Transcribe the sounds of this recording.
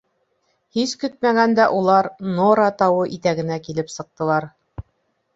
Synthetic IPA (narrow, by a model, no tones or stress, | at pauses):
hiskɵt̪̚mæɡænd̪æʔulˠɑɾnoɾɑt̪ɑwɤʔit̪æɡɘ̆nækilɘpsɤ̆q̚t̪ɤ̆lˠɑɾ